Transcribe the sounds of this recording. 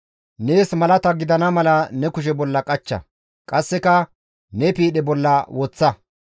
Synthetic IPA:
ne̞ːsmɐlɐt̪ɐɡɪd̪ɐnɐmɐlɐnɛkʊʃ̬ɛbɔlːɐkʼɐt͡ʃːɐ̰ | kʼɐsːɛkɐ | nɛpiːɗɛbɔlːɐwʔɔt͡sːɐ

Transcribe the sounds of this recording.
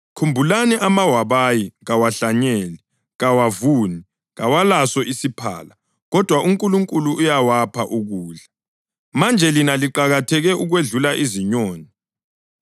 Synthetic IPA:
kʰumbʱulaniʔamawaβajiɣawaɬaɲɛːli | ɣawavuːni | ɣawalasɔʔisipʰa̰ːla | ɣɔd̥ʱwaʔuŋkʼuluŋkʼuluːjawapʰaʔuɣuːɮa | mand͡ʒʱɛlinaliǃaɣatʰɛɣɛʔuɣweɮulaʔiziɲoːni

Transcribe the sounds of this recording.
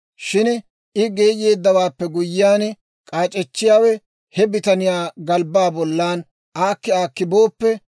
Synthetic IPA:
ʃɪn | ɪɡe̞ːje̞ːd̪ːɐwaːpːɛɡʊjːɪjaːn | kʼaːt͡ʃʼɛt͡ʃːɪjaːwɛ | hɛbɪt̪ɐnɪjaːɡɐlbaːbɔlːaːn | ʔaːkːɪaːkːɪboːpːɛ

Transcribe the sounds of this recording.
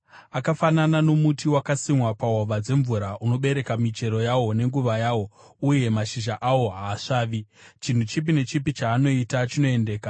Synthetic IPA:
akafananano̞mutiwakasimwapaɦoʋad͡ze̞ɱvuɾaʔuno̞ɓe̞ɾe̞kamit͡ʃe̞ɾo̞jawo̞ne̞ŋɡuʋajaːwo̞ | uje̞maʃiʒaʔawo̞ɦaːʂaːʋit͡ʃin̤ut͡ʃip̬ine̞t͡ʃipit͡ʃaːno̞itat͡ʃino̞e̞nde̞ːka

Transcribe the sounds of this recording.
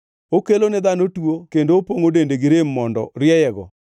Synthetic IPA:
okelonɪðanotwokendoopoŋodendeɡɪɾemːɔndɔ̰ɾjɛjɛɡɔ̰

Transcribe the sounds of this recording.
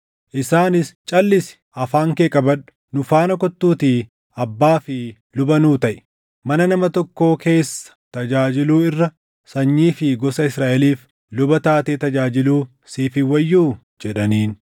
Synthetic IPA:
ʔɪsaːnɪst͡ʃʼɐlːɪsɪ̥ | ɐfaːŋkeːkʼɐbɐᶑʊ̥ | nʊfaːnɐkɔt̪ːuːt̪iː | ɐbːaːfɪ | lʊbɐnuːt̪ɐʔɪ̥ | mɐnɐnɐmɐt̪ɔkːo̞ːkʰe̞ːsːɐ̥t̪ɐd͡ʒaːd͡ʒɪluːɪrːɐ | sɐɲːiːfɪɡɔsɐɪsɾaːʔɛliːf | lʊbɐt̪aːt̪eːt̪ɐd͡ʒaːd͡ʒɪluː | siːfɪwɐjːuː | d͡ʒɛᶑɐniːn

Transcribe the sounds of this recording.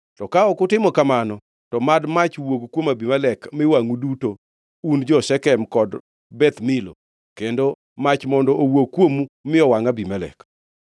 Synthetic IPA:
tɔkaɔkʊtɪmɔkamanɔ | tɔmadmat͡ʃwoɡkwomabimalɛkmɪwaŋuduto | und͡ʒɔsɛkɛmkɔd | bɛt̪mɪlo̰ | kendo | mat͡ʃmɔndɔʔowoɡ̚kːwomumɪɔwaŋabimalɛ̰k

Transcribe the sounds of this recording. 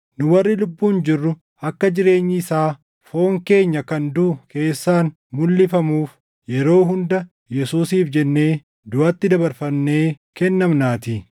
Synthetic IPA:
nʊwɐrːɪlʊbːuːnd͡ʒɪrːʊ | ɐkːɐd͡ʒɪɾe̞ːɲːɪɪsaː | fo̞ːŋke̞ːɲːɐkɐnd̪uke̞ːsːaːn | mʊlːɪfɐmuːf | jɛɾo̞ːɦʊnd̪ɐ | jɛsuːsiːfd͡ʒɛnːe̞ː | d̪ʊɐt̪ːɪd̪ɐbɐɾfɐmːe̞ː | kɛnːɐmnaːt̪i

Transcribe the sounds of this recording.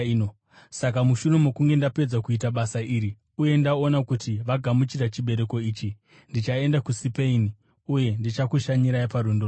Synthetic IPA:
o | sakamuʃure̞mokuŋɡe̞ndape̞d͡zakuitaɓasaiːɾi | uje̞ndao̞nakutiʋaɡʱamut͡ʃirat͡ʃiɓe̞ɾe̞ko̞iːt͡ʃi | ndit͡ʃae̞ndakusipeini | uje̞ndit͡ʃakuʃaɲiɾaipaɾondor

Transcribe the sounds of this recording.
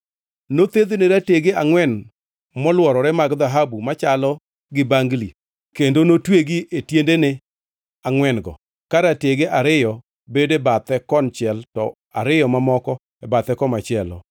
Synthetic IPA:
not̪ed̪eneɾateɡeaŋwɛn | mɔlwɔɾɔɾɛmaɡd̪aɦabumat͡ʃalɔ | ɡɪbaŋɡli | kendonotweɡiʔetjendene | aŋwɛnɡɔ̰ | kaɾateɡeʔaɾɪjɔ | bedebat̪ɛkɔnt͡ʃɪɛltɔ | a̰ɾɪjɔmamɔkɔ | ɛbat̪ɛkɔmat͡ʃɪɛlɔ̰

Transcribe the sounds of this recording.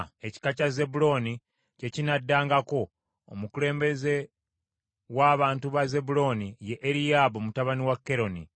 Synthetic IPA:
e̞ci̥kacaze̞bulo̞ːni | ce̞cinadːaːŋɡako̞̰ː | mukule̞ːmbe̞ze̞ | waːβaːntuβaze̞bulo̞ːnijeʔːɾijabomutaβaniwakːe̞ɾo̞ni

